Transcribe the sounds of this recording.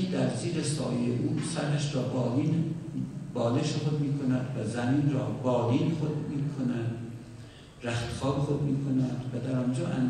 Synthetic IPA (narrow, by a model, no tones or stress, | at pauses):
d̪æɾziːɾesɒːjejeʔuːsæɾæʃɾɒːbɒːliːn | bɒːleʃexod̪miːkʰonæd̪væzæmiːnrɒːbɒːliːnexod̪miːkʰonæd̪̥ | ɾæxt̪xɒːbexod̪miːkʰonæd̪væd̪æɾɒːnd͡ʒɒːʔæn